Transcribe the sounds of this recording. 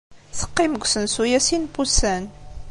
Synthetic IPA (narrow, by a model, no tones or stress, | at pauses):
θə̥qːɪməɡʷsənsujæsinpusæn